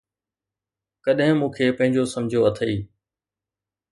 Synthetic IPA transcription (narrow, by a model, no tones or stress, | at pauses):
kəɗɦɪ̃mũːkʰeːpɐ̃ɦɪ̃ɲd͡ʑosɐmd͡ʑʱjoɐt̪ʰəiː